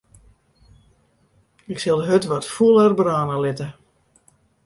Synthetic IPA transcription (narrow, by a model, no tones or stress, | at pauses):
ɪksɪlˠdəɦøtʋɔtfuəlˠərbraːnəlɪtə